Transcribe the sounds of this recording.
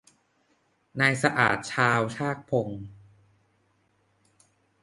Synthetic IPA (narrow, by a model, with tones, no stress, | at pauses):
naː˧jsa˧ʔa̰ː˨˩t̪̚t͡ɕʰaː˧wt͡ɕʰaː˥˩k̚pʰo˧ŋ